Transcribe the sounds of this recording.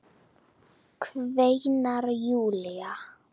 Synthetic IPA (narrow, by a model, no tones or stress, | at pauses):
kʰvejnarjulɪja